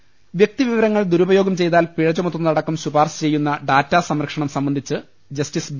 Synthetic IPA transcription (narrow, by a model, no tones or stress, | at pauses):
ʋjek̚t̪iʋiʋɐɾɐŋːɐɭd̪uɾubɐjo̞ːɡɐmt͡ɕe̞jt̪aːlpiɻɐd͡ʑɐmot̪ːɐnɐɽɐkːumsubaːrsɐ̥t͡ɕe̞jːunːɐɖaːtːaːsɐmɾɐkʂɐɳɐmsɐmbɐnd̪ʱit͡ɕːɨ | d͡ʑɐstisb